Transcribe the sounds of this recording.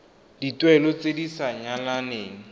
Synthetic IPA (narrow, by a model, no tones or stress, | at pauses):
d̥itwɛlɔt͡sedisaɲalaneːŋ̩